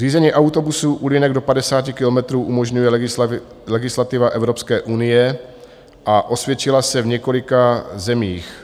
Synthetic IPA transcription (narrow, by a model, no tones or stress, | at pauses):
r̥iːzɛɲiːʔawt̪o̞busuʔulɪnɛɡdo̞padɛsaːcɪkɪlo̞mɛt̪ɾuːʔumo̞ʒɲujɛ | lɛɡɪslat̪ɪvaʔɛvɾopskɛːʔunɪjɛ | ʔaʔo̞svjɛt͡ʃɪlasɛvɲɛko̞lɪkazɛmiːx